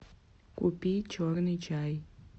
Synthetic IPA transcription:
kupit͡ʃɔɾnit͡ʃaj

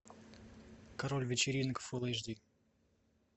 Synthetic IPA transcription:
kɐɾolʲvʲɪt͡ɕɪɾʲinkə̥fɨlˠəjʐd̪ʲi

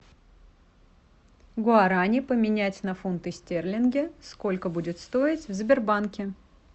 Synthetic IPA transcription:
ɡʊaɾanʲɪpəmʲɪnʲætʲnɐfunt̪ɨsʲtʲerlʲɪnɡʲɪsko̞lʲkəbudʲɪt̪st̪o̞ɪtʲvzbʲɪrbankʲɪ

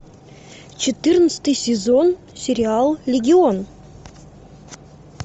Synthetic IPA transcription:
t͡ɕɪt̪ɨrnət̪st̪ɨjsʲezon | sʲeɾʲialˠlʲɪɡʲɪon

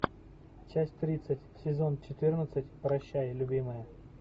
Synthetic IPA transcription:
t͡ʃæsʲtʲt̪ɾʲit̪sətʲsʲɪzont͡ɕɪt̪ɪrnət̪sətʲpɾɐɕːajəlʲʊbʲimɨjə

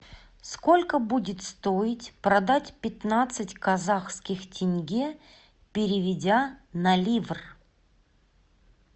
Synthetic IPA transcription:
skolʲkəbudʲɪt̪st̪oɪtʲpɾɐd̪atʲpʲɪt̪nat̪sɨtʲkɐzaxskʲɪxtʲɪnʲɡʲe | pʲɪɾʲɪvʲɪdʲanɐlʲivr

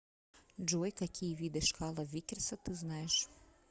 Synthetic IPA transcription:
d͡ʒɔjkakʲʰijʋʲid̪ɛʃkɑlˠɐʋʲikʲɪrsɐt̪ɨznɑjeɛʃ

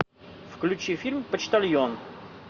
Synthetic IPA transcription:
fklʲʉt͡ɕifʲilʲmpət͡ɕt̪ɐlʲjon

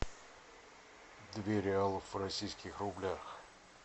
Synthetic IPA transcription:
d̪vʲeɾʲɪalˠəfvrɐsʲijskʲɪxrʊblʲax

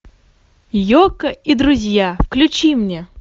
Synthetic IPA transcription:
jokəid̪ɾʊzʲjafklʲʉt͡ɕimnʲe

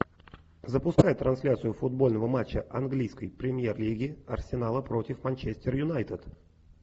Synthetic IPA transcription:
zəpʊskajət̪ːɾɐnsʲlʲat̪sɨjʊfʊd̪̚bo̞lʲnəvəmat͡ɕːəʔɐnɡlʲijskəjpɾʲɪmʲjerlʲiɡʲɪɐrsʲɪnalˠəpɾo̞tʲɪfmɐnʲt͡ɕesʲtʲɪrjʊnajt̪ɪt̪

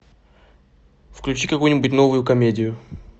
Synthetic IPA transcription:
fklʲʉt͡ɕikɐkujnʲɪbʊtʲno̞vʊjʊkɐmʲedʲɪjʊ

